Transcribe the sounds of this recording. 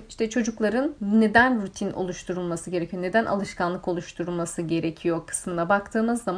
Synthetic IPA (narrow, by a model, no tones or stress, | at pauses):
iʃt̪ʰɛt͡ʃʰo̞d͡ʒuklˠaɾɯnːe̞d̪ænɾut̪ʰino̞̰lˠuʃt̪ʰuɾulˠmasɯɟe̞ɾecʰijone̞d̪ænʔa̰lˠɯʃkʰanlˠɯko̞lˠuʃt̪ʰuɾulˠmasɯɟe̞ɾe̞cʰijo̞kʰɯ̥smɯnabak̚t̪ʰɯːmɯzːama